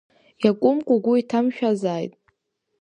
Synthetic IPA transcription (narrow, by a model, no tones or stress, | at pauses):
jakʷʼʊmkʷʼʊɡʷʊitʰamʃᶣazaːjtʼ